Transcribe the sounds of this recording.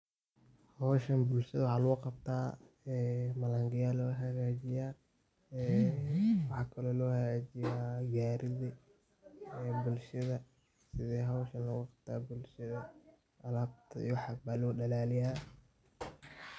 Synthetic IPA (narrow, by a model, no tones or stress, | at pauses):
hɔːʃɐnbʊlʃɐðɐwɑħɑːlɐɣuqɑbt̪ʰaː | ɛːmɐlaŋɡɪjaːlɔːɦɐɣaːt͡ʃɪjaː | wɑħɑːkʰɐlɔːlɔːhɐɣaːd͡ʒɪjaːɡaːɾɪðɪ | bʊlʃɐðɐ | sɪðɛːɦɐɔʃɐnlɐɣuqɑb̥̚t̪ʰa̰ːbʊlʃɐðɐ | ʔɐlaːb̚t̪ʰɐ̰ḭwħɑbaːlɔːɗɐlaːlɪjaː